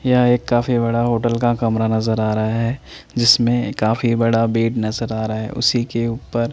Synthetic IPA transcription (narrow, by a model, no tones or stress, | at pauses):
jɐɦeːkːaːfibɐɽaɦoːʈəlkakɐmɾanɐzəɾaːɾɐɦaɦɛːd͡ʒɪsmẽkaːfibɐɽabeːʈnɐzəɾaːɾɐaɦɛ̰ʔʊ̰sikeuːpəɾ